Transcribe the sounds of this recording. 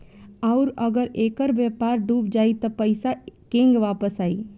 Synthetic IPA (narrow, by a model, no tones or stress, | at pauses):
ɔʊɾɐɡəɾeːkəɾʋjəpaːɾɖuːpd͡ʒaːit̪opəɪsakẽːŋɡʋaːpəsaːḭː